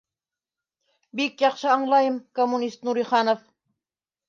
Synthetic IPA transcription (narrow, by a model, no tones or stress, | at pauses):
bikjɑqʃɤɑɴlˠɑjəmkomːunʲist̪nuɾiχɑnof